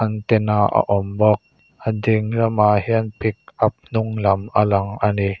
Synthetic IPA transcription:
ant̪ɛnaʔa̰ʔɔmbɔk̚ | ʔadiŋɾamahiənpɪk̚ʔap̚nʊŋlɐmʔalaŋʔani

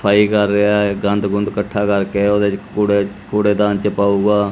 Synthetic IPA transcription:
pʰaːiːkəɾːeaːɡənd̪ɡʊnd̪kəʈʰːaːkəɾkeːoːd̪et͡ʃkuːɽeːkoːɽeːd̪ãːnt͡ʃəpaːuːɡaː

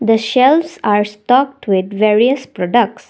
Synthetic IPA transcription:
d̪əʃɛlfsaːɾsʈɔk̚ʈʋɪd̪ʋeɾiəspɾɔɖək̚ʈs

